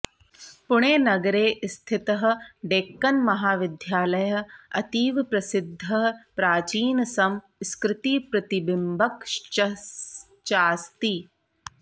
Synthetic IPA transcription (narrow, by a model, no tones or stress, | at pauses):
pʊɽ̃eːnɐɡɾeːst̪ʰɪt̪ɐɦɐ̆ɖeːkːɐnmɐɦaːʋɪd̪ʱjaːlɐjɐɐt̪iːʋpɾɐsɪd̪ʱːɐɦpɾaːt͡ʃiːnɐsɐm | skɾɪt̪iːpɾɐt̪ibɪmbɐkʃt͡ʃɐ | t͡ʃaːst̪i